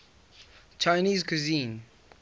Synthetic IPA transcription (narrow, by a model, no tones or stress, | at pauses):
t͡ʃʰaɪniːzkʰuzĩːn